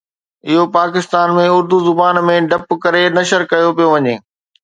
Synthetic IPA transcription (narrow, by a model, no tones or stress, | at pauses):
ɪɦopaːkɪst̪aːnmẽʊɾd̪uzʊbaːnmẽɖɐpkɐɾenɐʃəɾkɐjopijoʋɐɲeː